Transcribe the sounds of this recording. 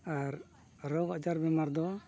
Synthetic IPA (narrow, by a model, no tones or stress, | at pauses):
aɾ | ɾɔɡad͡ʒaɾbɛmaɾd̪ɔ